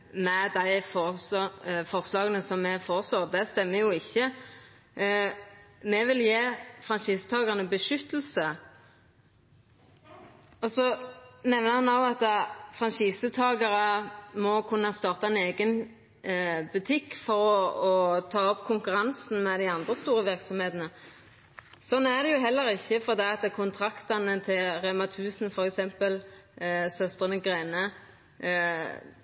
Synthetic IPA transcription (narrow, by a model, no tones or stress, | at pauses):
mɛd̪æɪfɔ | fɔʁslɑːɡənəsɔmːɛfoːʁəsloːʁd̪ɛst̪ɛmːəjʊɪçːə | mɛʋɪljeːfʁɑnʃiːsət̪ʰɑːɡəʁnəbəʃʏt̪l̩sə | ɔsɔnɛʋnəhɑnɑʊɑt̪ːəfʁɑnʃiːsət̪ʰɑːɡɑʁəmɔkʰʉnːəst̪ɑːʁt̪ɑɛneːɡən | bʉt̪ʰɪkːfɔɾɔɔt̪ʰɑːɔpkʰʊŋkʉʁɑnsn̩mɛd̪æɪɑnd̪ʁəst̪uːʁəʋɪɾksɔmheːt̪nə | sɔnːæʁd̪ɛjʊɦɛlːəʁɪçːəfɔd̪ɛɑt̪əkʰʊnt̪ʰɾɑkt̪ɑnət̪ʰɪlʁɛmɑt̪ʰʉːsn̩fɔɾɛksɛmpəl | sœst̪ʁənəɡʁeːnə